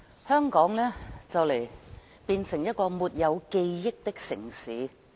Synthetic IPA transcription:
hœː˥ŋkɔː˨˥ŋlɛː˥t͡sɐ˨wle˨˩j | piː˧nsɪ˨˩ŋjɐ˥t̚kɔː˧muː˨˩t̚jɐ˨˧wke˧jːɪ˥k̚t̪ɪ˥k̚sɪ˨˩ŋsiː˨˥

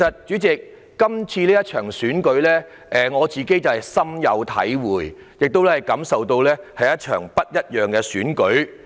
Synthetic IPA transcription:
sɐ˨t̚t͡ʃyː˨˥t͡sɪ˨kː | ɐ˥mt͡sʰiː˧liː˥jɐ˥t̚t͡ʃʰœː˨˩ŋsyː˨˥nkɵ˨˥ɥlɛː˥ | ʔɛː˨ŋɔː˨˧t͡siː˨ke˥jt͡sɐ˨whɐ˨jsɐ˥mjɐ̰˨˧wt̪ʰɐ̰˨˥jwuː˨˩j | jɪ˨k̚t̪o˥wlɛː˥hɐ˨jkɐ˨˥msɐ˨wt̪o˧wlɛː˥hɐ˨jɐ˥t̚t͡ʃʰœ̰ː˨˩ŋpɐ˥t̚jɐ˥t̚jœː˨ŋkɛ˧syː˨˥nkɵ˨˥ɥ

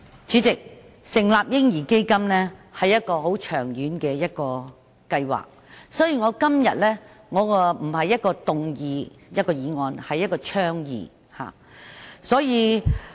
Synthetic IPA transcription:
t͡syː˨˥t͡sɪ˨k̚ | sɪ˨˩ŋlaː˨p̚jɪ˥ŋjiː˨˩ke˥jkɐ˥mnɛː˥hɐ˨jːɐ˥t̚kɔː˧ho˨˥wt͡ʃʰœː˨˩ŋjyː˨˥nkɛː˧jɐ˥t̚kɔː˧ | kɐ˧jwa̰ː˨k̚sɔː˨˥jiː˨˩ŋɔː˨˧kɐ˥mjɐ̰˨t̚lɛ˥ŋɔː˨˧kːm̩˨˩ɦɐ˨jːɐ˥t̚kɔː˧t̪ʊ˨ŋjiː˨˧jɐ˥t̚kɔː˧jiː˨ŋɔː˨˧nhɐ˨jːɐ˥t̚kɔː˧t͡ʃʰœː˥ŋjḭː˨ | ha̰ː˨˩ | sɔː˨˥jiː˨˧

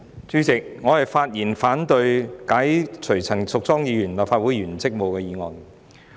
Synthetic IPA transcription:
t͡syː˨˥t͡sɪ˨k̚ŋɔː˨˧hɐ˨jfaː˧t̚jiː˨˩nfaː˨˥nt̪ɵ˧ɥkaː˨˥jt͡sʰɵ˨˩ɥt͡sʰɐ˨˩ŋsʊ˨k̚t͡sɔː˥ŋjiː˨˧jyː˨˩nlaː˨pfaː˧t̚wuː˨˥jɥyː˨˩nt͡sɪ˥k̚mo˨wkɛː˧jiː˨˧ŋɔ̰ː˨n

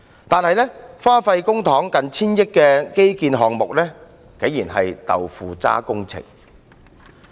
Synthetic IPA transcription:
t̪aː˨nhɐ˨jlɛː˥faː˥fɐ˧jkʊ˥ŋt̪ʰɔː˨˥ŋkɐ˨nt͡sʰiː˥njɪ˥kːɛː˧ke˥jkiː˧nɦɔː˨ŋmʊ˨k̚lɛː˥ | ke˨˥jiː˨˩nɦɐ˨jt̪ɐ̰˨wfuː˨˧t͡sa̰ː˥kʊ˥ŋt͡sʰɪ̰˨˩ŋ

